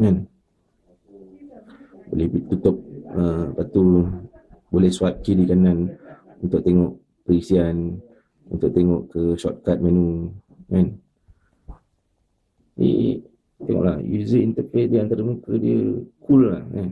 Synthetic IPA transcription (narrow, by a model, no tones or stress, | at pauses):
ŋan | bo̰lɛhbit̪ut̪ʊp̚əpat̪u | bolɛhsuap̪̚kidikanan | unt̪ʊk̚t̪eŋɔʔ | pəɾisian | unt̪ʊk̚t̪eŋɔʔkəsɔt̪̚kat̪̚mãnũ | mãn | bḭ | t̪eŋɔ̰ʔla̰hjṵzəint̪əfesdiant̪aɾəmukədiəkulːahŋan